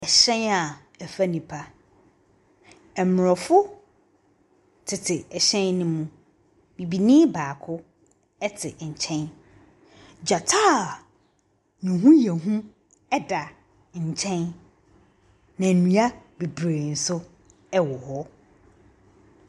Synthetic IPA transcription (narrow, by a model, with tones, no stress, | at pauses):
ɛ˨ɕɛ̃˦na˨ | ɛ˨fa˦nĩ˨pʰa˦ | ɛ˨mʊ˨ɾɔ˨fʊ˦ | tʰɪ˨tʰɪ˨ɛ˨ɕɛ̃˦nnũ˦mũ˦ | bĩ˨bi˨nĩː˦baː˨kʰʊ˦ | ɛ˦tʰɪ˨ɲ̩˨t͡ɕʰɛ̃˦n | d͡ʑa˨tʰaː˦ | nĩ˨ɦũ˦jɛ˨ɦũ˦ | ɛ˦da˨ | ɲ̩˨t͡ɕʰɛ̃˦n | nã˨nũ˨a˦be˨bɾe˨n̩˨sʊ˦ | ɛ˦wɔ˨hɔ˦